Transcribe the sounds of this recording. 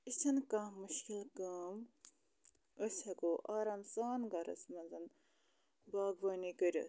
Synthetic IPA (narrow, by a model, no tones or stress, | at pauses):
isʰɐnkamuʃkilkɐːm | əsʲɐkoʔaːɾɐːnsaːnɡɐɾɐ̰smɐnzɐn | baːɡʋɐːnikəɾʲɐ̰